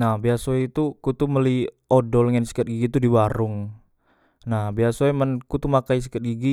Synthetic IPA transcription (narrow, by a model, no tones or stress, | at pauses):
nahbiasoit̪ukut̪uməliodɔlŋənsə̥kət̪̚ɡiɡit̪udibaɾʊŋ | nahbiasoemənkut̪umakais̬ə̥kət̪̚ɡiɡi